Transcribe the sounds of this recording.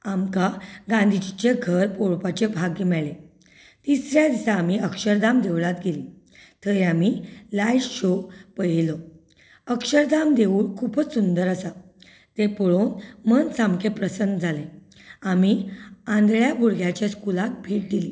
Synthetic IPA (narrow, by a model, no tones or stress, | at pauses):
amkaɡãnd̪ʱit͡ɕit͡ɕeɡʱəɾpoɭpat͡ɕebʱaɡimɛɭe | t̪isɾjad̪isaːmiəkʂəɾd̪amd̪eʋɭat̪ɡeli | t̪əɾiamiːlajɕopəjelo | əkʂəɾd̪amd̪euːɭkʰuːpət͡ssund̪əɾasa | t̪epɔɭonmənsamkʰepɾəsənd̪d͡zʱale | amiãnd̪ɭjabʱuɽɡʱjat͡ɕjaskulak̪̚bʱiːʈ̚d̪ili